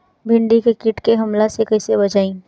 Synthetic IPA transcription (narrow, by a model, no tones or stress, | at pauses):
bʱɪ̃ɳɖikekɪʈkeɦɐmlasekɐɪsebɐt͡ʃaːĩː